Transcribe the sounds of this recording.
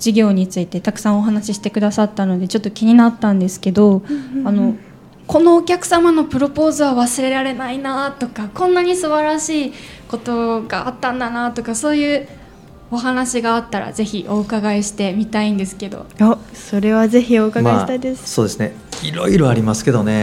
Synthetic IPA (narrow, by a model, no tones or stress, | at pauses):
d͡ʑiɡʲo̞ːɲ̟it͡sɨit̪e̞t̪akɯ̟̥sãɰ̃o̞ɦanaɕiɕi̥t̪e̞kɯ̟d̪asat̪ːano̞d̪e̞t͡ɕo̞t̪ːo̞kʲiɲ̟inat̪ːãnd̪e̞sɨ̥ke̞d̪o̞ano̞ | ko̞no̞ːkʲakɯ̟̥samano̞pɯ̟ɾo̞po̞ːzɨβaβasɨɾe̞ɾaɾe̞nainat̪o̞kakõ̞nːaɲ̟isɨbaɾaɕiː | ko̞t̪o̞ɡa̰at̪ːãnd̪anat̪o̞kaso̞ːjɯ̟ː | o̞ɦanaɕiɡaat̪ːaɾa̰ze̞çiʔo̞ːkaɡaeɕi̥t̪e̞mʲit̪aĩnd̪e̞sɨ̥ke̞d̪o̞̰oso̞ɾe̞β̞aze̞çio̞ːkaɡaeɕt̪ad̪esɨ̥soːd̪e̞sɨne | iɾo̞̰iɾoaɾʲimasɨ̥ke̞d̪o̞ne̞